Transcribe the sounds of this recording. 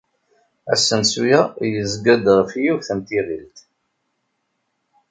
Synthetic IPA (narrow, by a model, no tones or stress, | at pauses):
æ̰sːənsujajəzɡæd̪əʁfjuvθæmt̪iʁilt̪